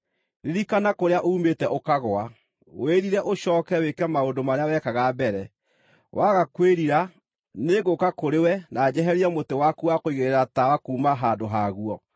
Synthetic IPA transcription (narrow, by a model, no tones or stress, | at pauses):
ɾeɾikanakoɾeaʔoumetɛʔokaɣoa | w̰eɾiɾɛʔoɕɔːkɛwekɛmaondomaɾeawɛkaɣabɛɾɛ | wʔaɣakweɾiɾa | neɣokakoɾewɛnad͡ʑɛɦɛɾiɛmotewakuakoiɣeɾeɾatawakuːmaɦaːndoɦaɣuɔ